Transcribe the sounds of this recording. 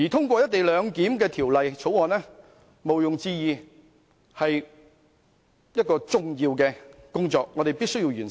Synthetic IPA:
jiː˨˩t̪ʰʊ˥ŋkʷɔː˧jɐ˥t̚t̪e˨jlœː˨˧ŋkiː˨˥mkɛː˧t̪ʰiː˨˩wlɐ˨jt͡sʰo˨˥wɔː˨nɛ˥ | mo˨wjʊ˨ŋt͡siː˧jiː˨˧ | hɐ˨j | jɐ˥t̚kɔː˧t͡sʊ˨˩ŋjiː˧wkɛː˧kʊ˥ŋt͡sɔː˧k̚ŋɔː˨˧ɾe˨jpiː˥sɵ˥jiː˧wɥyː˨˩n

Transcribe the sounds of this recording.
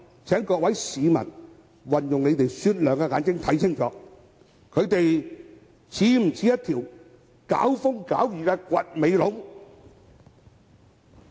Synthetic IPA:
t͡sʰɛː˨˥ŋkɔː˧k̚wɐ˨˥jsiː˨˧mɐ̰˨˩n | wɐ˨˩njʊ˨ŋne˨˧jt̪e˨jsyː˧t̚lœː˨˩ŋkɛ˧ŋaː˨˧˥nkɪ˥ŋt̪ʰɐ˨˥jsʰɪ˥˩ŋt͡sɔ̰ː˨˥ | kʰɵ˨˧ɥt̪e˨j | t͡sʰiː˨˥m̩˨˩t͡sʰiː˨˥jɐ˥t̪ʰiː˨˩w | ka̰ː˨˥wfʊ˥ŋkaː˨˥wjyː˨kɛː˧kʷɐ˨t̚me˨˧jlʊ˨˥ŋ

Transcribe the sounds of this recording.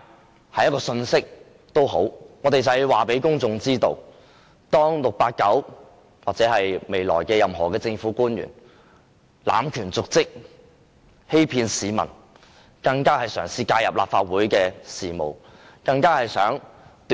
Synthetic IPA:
hɐ˨˧jɐ˥kɔː˧sɵ˧nsɪ˥k̚ | t̪o˥wɦo̰˨˥wŋɔː˨˧t̪e˨jt͡sɐ˨ɛ˨waː˨˩pe˨˥jkʊ˥ŋt͡sʊ˧ŋt͡siː˥t̪o̰˧w | t̪ɔː˥ŋlʊ˨k̚paː˧t̚kɐ˨˥w | waː˨˩t̚t͡sɛː˨˥ɦɐ˨jme˨jlɔ̰ː˨˩jkɛː˧jɐ˨mɦɔː˨˩kɛː˧t͡sɪ˧ŋfuː˨˥kuː˥njy̰ː˨˩n | la̰ː˨˥mkʰyː˨˩nt͡sʊ˨k̚t͡sɪ˥k̚ | he˥jpʰiː˧nsiː˨˧mɐ̰˨˩n | kɐ˧ŋkaː˥hɐ˨jsœː˨˩ŋsiː˧kaː˧jɐ˨p̚la̰ː˨p̚faː˧t̚wuː˨˥jkɛː˧siː˨˩mo̰˨w | kɐ˧ŋkaː˥hɐ˨jsœː˨˥ŋt̪

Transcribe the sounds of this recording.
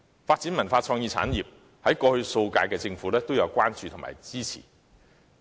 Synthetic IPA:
faː˧t̚t͡siː˨˥nmɐ˨˩nfaː˧t͡sʰɔː˧ŋjiː˧t͡sʰa̰ː˨˥njiː˨p̚ | hɐ˨˥jkɔː˧hɵ˧ɥso˧wka̰ː˧jkɛː˧t͡sɪ˧ŋfuː˨˥lɛː˥t̪o˥wjɐ˨˧wkʷaː˥nt͡ʃyː˧t̪ʰʊ˨˩ŋma̰ː˨˩jt͡siː˥t͡sʰḭ˨˩

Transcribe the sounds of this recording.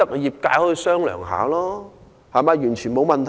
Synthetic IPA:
ɐ˥k̚jiː˨p̚kaː˧˥jhɔː˧jsœː˥ŋlœ̰ː˨˩ŋɦa̰ː˨˥lɔː˥ | haː˨˩maː˨˧jyː˨˩nt͡ʃʰyː˨˩nmo˨˧wmɐ˨nt̪ʰ

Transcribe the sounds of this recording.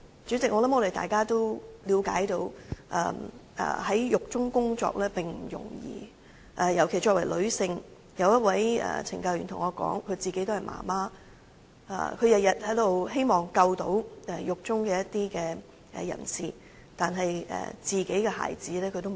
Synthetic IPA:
t͡ʃyː˨˥t͡sɪ˨k̚ŋɔː˨˧lɐ˨˥mŋɔː˧ɾe˨˩t̪aː˨jkaː˥t̪o˥wliː˨˧wkaː˨˥jt̪o˨˧˥wʔɛ̰ː˨ʔɛ̰ː˨˩hɐ˨˥jjʊ˨k̚t͡sʊ˥ŋkʊ˥ŋt͡sɔ̰ː˧k̚lɛː˥pɪ˨ŋm̩˨˩jʊ̰˨˩ŋjḭː˨ | ʔɐː˨jɐ˨˩wkʰe˨˩jt͡ʃɔː˧k̚wɐ˨˩jlɵ˨˧ɥsɪ˧ŋ | jɐ˨˧wjɐ˥t̚wɐ˨˥jɛ̰ː˨˩t͡sʰɪ˨ŋkɐ˧wjyː˨˩nt̪ʰʊ˨˩ŋɔː˨˧kɔ̰ː˨˥ŋkʰɵ˨˧ɥt͡siː˨ke˧˥jt̪o˥hɐ˨˩jmʔa̰ː˨˩maː˥ | ʔa̰ː˧˩kʰɵ˨˧ɥjɐ˨t̚jɐ˨t̚hɐ˨˥jt̪o˨wɦe˥jmɔː˨˩ŋkɐ˧wt̪o˨˥wɛ˨jʊ˨k̚t͡sʊ˥ŋkɛː˧jɐ˥t̚t̪iː˥kɛː˧ | ʔɛ˨jɐ̰˨˩nsiː˨ | t̪aː˨nɦɐ˨jɛ̰ː˨˩t͡siː˨ke˨˥jkɛː˧ha̰ː˨˩jt͡siː˨˥lɛː˥kʰɵ˧t̪o˥

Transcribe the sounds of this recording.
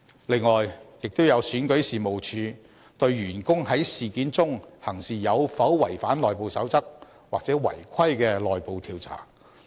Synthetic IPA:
lɪ˨˧ŋːɔː˨jjɪ˨k̚t̪o˥wjɐ˨˧wsyː˨˥nkɵ˨˥jsiː˨mo˨wt͡ʃʰyː˨˧ | t̪ɵ˧ɥɥyː˨˩nkʊ˥ŋhɐ˨˥jsiː˨˩kiː˨˥nt͡sʊ˥ŋhɐ˨˩ŋsiː˨jɐ˨˧wfɐ˨˥wwɐ˨˩jfaː˨˥nlɔː˨jpo˨˧wsɐ˨˥wt͡sɐ˥k̚ | waː˨k̚t͡sɛː˨˥wɐ̰˨˩jkʷʰɐ˥jkɛː˧lɔː˨jpo˨wt̪ʰiː˧wt͡sʰa̰ː˨˩

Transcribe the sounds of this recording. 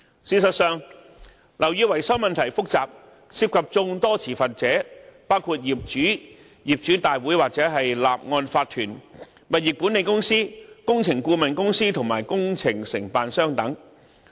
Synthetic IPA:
siː˨˩sɐ˨t̚sœː˨ŋ | lʔɐ˨˩wjyː˧wɐ˨˩jsɐ˥wmɐ˨nt̪ʰɐ˨˩jfʊ˥k̚t͡saː˨p̚ | siː˧˥p̚kʰɐ˨p̚t͡sʊ˧ŋt̪ɔː˥t͡sʰiː˨˩fɐ˨t̚t͡sɛː˨˥paː˥wkʰuː˧t̚jiː˨p̚t͡ʃyː˨˥ | jiː˨p̚t͡ʃyː˨˥t̪aː˨jwuː˨˥jwaː˨k̚t͡sɛː˨˥ɦɐ˨jlaː˨p̚ŋɔː˧nfaː˧t̚t̪ʰyː˨˩n | mɐ˨˩t̚jɪ˨˩k̚puː˨˥ne˨˧jkʊ˥ŋsiː˥kʊ˥ŋt͡sʰɪ˨˩ŋkuː˧mɐ˨nkʊ˥ŋsiː˥t̪ʰʊ˨˩ŋmaː˨˩jkʊ˥ŋt͡sʰɪ˨˩ŋsɪ˨˩ŋpaː˨nsœː˥ŋt̪ɐ˨˥ŋ

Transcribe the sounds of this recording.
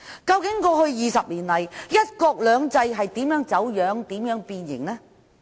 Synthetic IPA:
kɐ˧wkɪ˨˥ŋkɔː˧hɵ˧ɥjiː˨˧sɐ˨p̚liː˨˩nlɐ˨˩jjɐ˥t̚kɔː˧k̚lœː˨˧ŋt͡sɐ˧jɦɐ˨jt̪iː˨˥mjœː˨˥ŋt͡sɐ˨˥wjœː˨˥ŋt̪iː˨˥mjœː˨˥ŋpiː˧njɪ̰˨˩ŋlɛː˥

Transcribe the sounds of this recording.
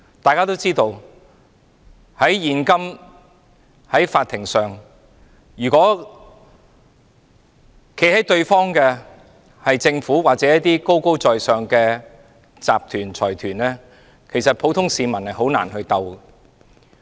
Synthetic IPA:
t̪aː˨jkaː˥t̪o˥wt͡siː˥t̪o˧w | hɐ˨˥jjiː˨nkɐ˥m | hɐ˨˥jfaː˧t̪ʰːɪ˨˩ŋsœː˨˩ŋ | jyː˨˩kʷɔː˨˥ | kʰe˨˥jhɐ˨˥jt̪ɵ˧ɥfɔː˥ŋkɛː˧ | hɐ˨jt͡sɪ˧ŋfuː˨˥waː˨k̚t͡sɛ˨˦jɐ˥t̚t̪iː˥ko˥wko˥wt͡sɔː˨jsœː˨ŋkɛː˧ | t͡sa̰ː˨p̚t̪ʰyː˨˩nt͡sʰɔː˨˩jt̪ʰyː˨˩nlɛː˥ | kʰe˨˩jsɐ˨t̚pʰo˨˥wt̪ʰʊ˥ŋsiː˨˧mɐ˨˩nhɐ˨jɦo˨˥wna̰ː˨˩nhɵ˧ɥt̪ɐ˧w

